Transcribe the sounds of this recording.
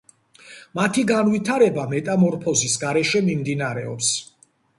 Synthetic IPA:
mat̪ʰiɡanvit̪ʰaɾɛbamɛt̪ʼamɔɾpʰɔzisɡaɾɛʃɛmimd̪inaɾɛ̰ɔ̰ps

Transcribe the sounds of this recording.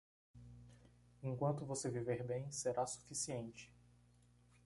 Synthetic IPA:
ẽŋkwɐ̃nt̪ʊvoseviveɾbẽj̃seɾasu̥fisiẽnt͡ʃɪ̥

